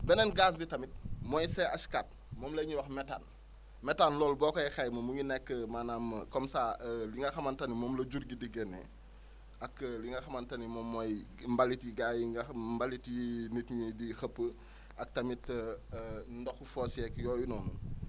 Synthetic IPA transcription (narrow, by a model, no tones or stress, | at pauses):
bɛnɛnɡaːs̬bitɐmit̚mɔjsɛɐskat̚ | mɔːmlɐɲuwɔxmɛta̰n | mɛtanlɔːlbɔkɔjxɐjmɐmuɲinɛkːəmaːnaːmːəkɔmsaːliŋɡɐxɐmɐntɐnimɔːmlɐɟuɾɡidiɡɛnɛ̰ | ɐkliŋɡɐxɐmɐntɐnimɔːmːɔj | mbɐlitjiɡajmbɐlitjinitɲidixɐpːə | ɐk̚tɐmitː | ndɔxufɔːsɛkjɔːjunɔːnṵ